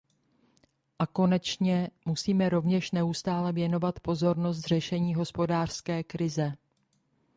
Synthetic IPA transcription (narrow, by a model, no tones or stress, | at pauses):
ʔako̞nɛt͡ʃɲɛmusiːmɛɾo̞vɲɛʃnɛust̪aːlɛvjɛno̞vat̪po̞zo̞ɾno̞s̬t̪r̝ɛʃɛɲiːɦo̞spo̞daːr̝̥skɛːkɾɪzɛ